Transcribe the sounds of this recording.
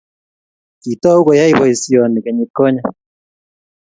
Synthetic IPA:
ki˨tɔ˦u˦kɔ˨ja˦i˦bɔ˨i˨si˦ɔ˨ni˨kɛ˨ɲi˨ko˦ɲa˦

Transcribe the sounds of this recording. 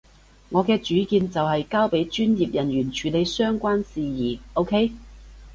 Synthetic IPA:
ŋɔː˨˧kɛː˧t͡ʃyː˨˥kiː˧nt͡sɐ˨wɦɐ˨jkaː˥wpe˨˥jt͡ʃyː˥njiː˨p̚jɐ˨˩nɥyː˨˩nt͡ʃʰyː˨le˨˧jsœː˥ŋkʷaː˥nsiː˨jiː˨˩o˥wkʰe˥j

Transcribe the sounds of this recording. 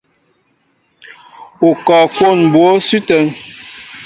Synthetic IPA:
u˨kɔ˨kwo˦˨n˨bwo˦sʉ˦tə˨˦n

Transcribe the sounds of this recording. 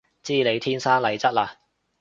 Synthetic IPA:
t͡siː˥le˨˧jt̪ʰiː˥nsaː˥nlɐ˨˩jt͡sɐ˥t̚laː˧

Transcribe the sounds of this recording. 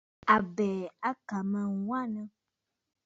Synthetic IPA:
a˨bɛ˨a˦ka˨mɛ̃˨wwa˦nə̃˦

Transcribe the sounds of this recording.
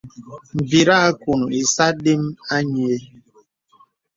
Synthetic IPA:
m̩˨bi˨ɾa˦ku˨nu˨i˨sa˦de˦m˦a˦ɲi˨e˦

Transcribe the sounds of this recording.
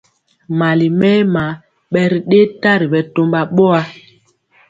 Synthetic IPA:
ma˨li˨mɛ˦ma˨˦ | ɓɛ˦ɾi˨ɗe˦ta˦ɾi˨ɓɛ˨to˦mba˨ɓɔ˦a˨˦

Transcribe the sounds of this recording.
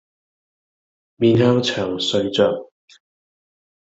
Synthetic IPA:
miː˧nhɐ˥wt͡sʰɐ˨˩ŋsɵ˧ɥt͡sœː˨˩k̚

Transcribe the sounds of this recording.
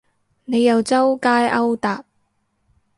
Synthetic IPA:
ne˨˧jɐ˨wt͡sɐ˥wkaː˥jɐ˥wt̪aː˨t̚

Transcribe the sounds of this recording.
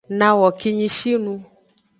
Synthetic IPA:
nã˨wɔ˨ki˧ɲĩ˧ʃi˦nũ˧

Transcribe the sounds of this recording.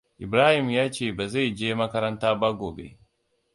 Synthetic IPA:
i˨bɾa˦hi˦˨mja˦t͡ʃe˨ba˨ze˦jd͡ʒeː˦ma˦kɐ˦ɾa˦nta˦ba˦ɡo˨bḛ˨

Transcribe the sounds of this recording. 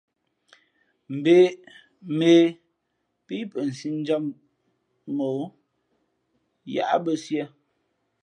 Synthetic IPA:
m̩˨be˦ | me˦ | pi˦pə˨n̩˨si˦n˦d͡ʒa˦m | mo˨˦ | ja̰˨ʔa˦bə˦sjə˦˨

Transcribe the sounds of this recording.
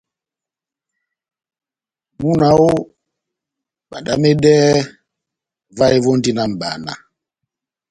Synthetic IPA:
mu˦na˨˦o˦ | ɓa˨nda˦me˦dɛ˦ | va˦e˦vɔ˦n˦di˦na˨m̩˨ba̰˨na̰˨

